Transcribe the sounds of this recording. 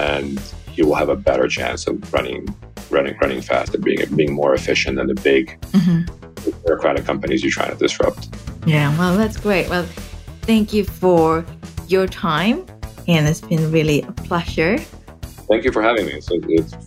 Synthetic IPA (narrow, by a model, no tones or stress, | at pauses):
ʔɨ̃njɨwəlˠəvəbɛɾə̰˞t͡ʃʰæ̰̃nsʌ̰vɹʌ̰nɪ̰̃ŋ | ɹʌ̰nɪ̰̃ŋɹʌ̰nɪ̃ŋfæ̰stɨb̥iɪ̰̃ŋbiɪ̃ŋmɔɹɨfɪʃɨ̃nðɨ̃nðɨbɪɡm̩m̥m̩ | ɨbɪɹɨkʰɹ̥æɾɨkʰʌ̃mpɨnizjɨtʰɹ̥aɪ̰̃ŋtʰɨdɨsɹʌ̰p̚t̚jæwɛlˠðætsɡ̥ɹeɪʔ̚wɛlˠθæ̃ŋkjɨfə˞jə˞tʰãɪ̃m | ɨ̃nɨtsb̥ɨ̃nɹɪlˠiʔəpʰl̥ɛʒə˞ | θæ̃ŋkjɨfə˞hævɪ̃ŋmisoʊɪts